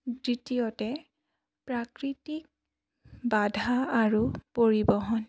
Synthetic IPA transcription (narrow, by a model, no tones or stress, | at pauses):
ditijɔtɛ | pɹakɹitik̚ | badʱaːɹupoɹibɔɦɔn